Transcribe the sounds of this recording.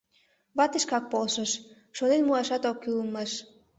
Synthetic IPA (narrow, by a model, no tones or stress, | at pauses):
βɑt̪eʃkɑk̚polʃəʃ | ʃonenmuɑʃɑt̪okːyləməʃ